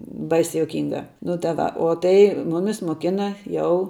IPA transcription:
ˈbɐɪsʲɛ juɔˈkʲiːŋɡɐ nʊ tɐ ˈʋɐ oː ˈtɐɪ ˈmʊmʲɪs moːˈkʲɪnɐ ˈjɛʊ

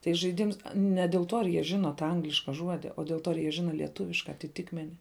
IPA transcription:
tɐɪ ʒɐɪˈdʲɪms nʲɛ dʲɛlˠ ˈtuɔ ɐr jiɛ ˈʒʲɪnoː tɑː ˈɐŋɡlʲɪʃkɐ ˈʒuɔdʲɪ oː dʲɛlˠ ˈtuɔ ɐr ˈjiɛ ˈʒʲɪnɐ lʲiɛˈtʊʋʲɪʃkɐ ɐtʲɪˈtʲɪkmʲɛnʲɪ

